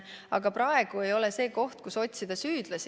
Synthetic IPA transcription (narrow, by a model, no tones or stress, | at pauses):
ɑɡ̥ɑpɾɑe̞ɡ̥ue̞jo̞lese̞ːko̞ht̪̚kuso̞t̪̚ʲsid̪̥ɑsyːd̪̥lɑs